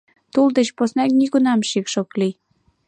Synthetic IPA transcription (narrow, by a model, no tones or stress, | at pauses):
t̪uld̪ə̆t͡ɕposnɑk̚nikunɑmʃikʃokli